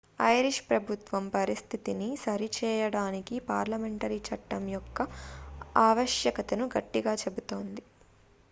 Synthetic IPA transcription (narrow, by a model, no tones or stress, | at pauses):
ɐjɾiʂpɾɐbʱut̪ʋɐmpɐɾist̪ʰit̪inisɐɾit͡ʃɛːjɐɽaːnikipaːɾlɐme̞ɳʈɐɾit͡ʃɐʈːɐmjɔkːɐ | aːʋɐʃjɐkɐt̪ɐnuɡɐʈːiɡaːt͡ʃe̞but̪o̞ːnd̪i